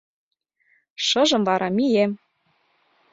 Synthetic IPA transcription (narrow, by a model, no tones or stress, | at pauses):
ʃɤ̆ʒɤ̆mvɑɾʔɑmijem